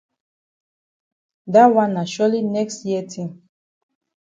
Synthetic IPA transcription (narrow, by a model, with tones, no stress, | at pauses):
da˦wã˦na˨ʃɔ˦li˦nɛ˦kstji˦ɛ˦tʰĩm